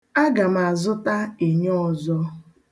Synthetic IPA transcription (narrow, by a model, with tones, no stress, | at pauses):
a˦ɡa˨m˨a˨zʊ˦ta˦e˨ɲɔ˦ɔ˨zɔ˦